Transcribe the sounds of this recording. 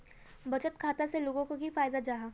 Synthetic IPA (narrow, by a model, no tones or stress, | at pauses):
bɐt͡ʃət̪kʰaːt̪aseloːɡõkoɡʱifaːjd̪ad͡ʒaːɦaː